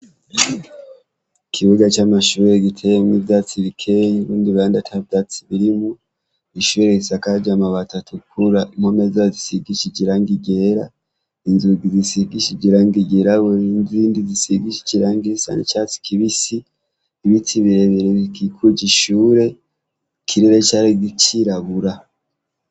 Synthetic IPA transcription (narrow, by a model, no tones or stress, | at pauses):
ikʰiβuɡat͡ʃamaʃuːɾe̞ɡitʰejemivjat͡siβikʰejuβuːndiβaːndatʰavjat͡siβiɾimu | iʃuɾeisakad͡ʒamaβatatʰukuɾaimhomezazisiɡiʃid͡ʒiɾaŋɡiɡeɾa | inzuɡizisiɡiʃiɟiɾaŋɡiɡeɾawoindiziːndizisiɡiʃi̥ciɾaŋɡisa̰nḭt͡ʃat͡si̥kʰiβisiː | βit͡siβiɾeβiɾeβikikʰuɟiʃuːɾe̞ | kʰiɾiɾet͡ʃaːɾiɡit͡ʃiɾaβuɾa